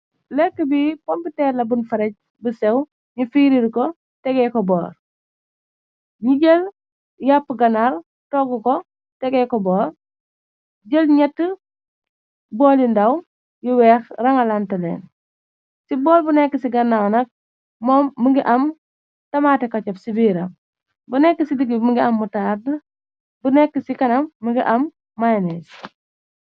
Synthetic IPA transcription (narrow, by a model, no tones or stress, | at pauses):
lɛkːəbipɔmpitɛːɾlɐbunfɐɾɛc̚ | busɛw | ɲufiːɾiɾkɔ | tɛɡɛkɔbɔːr | ɲiɟəl | japːɡɐnaɾ | tɔɡukɔ | tɛɡɛkɔbɔːɾ | ɟəlɲɛtːə | bɔːlindɐw | juwɛːxrɐŋɐlɐntɐlɛ̰ːn | sibɔːlbunɛkːəsiɡɐnːawnɐk̚ | mɔːmːəŋɡiʔɐm | tɐmaːtɛkɐt͡ʃɐpsibiːɾɐ | bunɛkːəsidiɡiməŋɡiɐmːutaɾ | bunɛkːəsikɐnɐmːəŋɡiʔɐmː | ajnɛs